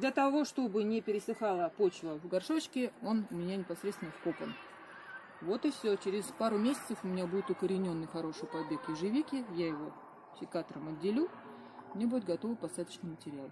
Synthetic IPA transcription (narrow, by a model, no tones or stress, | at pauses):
d̪lʲət̪ɐvo̞ʂt̪o̞bɨnʲɪpʲɪɾʲɪsɨxalˠəpo̞t͡ɕvəvɡɐrʂo̞t͡ɕkʲɪo̞nʊmʲɪnʲanʲɪpɐsɾʲet̪t̪vʲɪnəfko̞pən | vo̞t̪ɨfsʲot͡ɕɪɾʲɪspaɾʊmʲesʲɪt̪səfʊmʲɪnʲabudʲɪt̪ʊkəɾʲɪnʲo̞nːɨjxɐɾo̞ʂɨjpɐd̪bʲe̞kɪʐɨvʲikʲɪjajɪvo̞ | sʲɪkat̪əɾəmɐdʲːɪlʲu | mnʲebudʲɪt̪̚ɡɐt̪o̞vɨpɐst̪ad̪ət͡ɕnɨjmətʲɪɾʲalˠ